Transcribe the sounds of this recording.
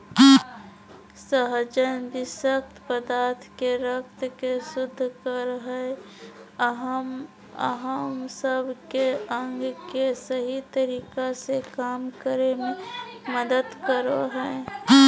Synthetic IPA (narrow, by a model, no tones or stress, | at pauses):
səɦd͡ʒənbɪsəkt̪pəd̪aːɾt̪ʰkeɾəkt̪kesʊd̪ʱːkəɾɦɛ | ɦ | ə̰ɦəmsəbʱkeə̃ŋɡkesəɦit̪əɾiːkasekaːmkəɾemẽməd̪əd̪kəɾoɦɛː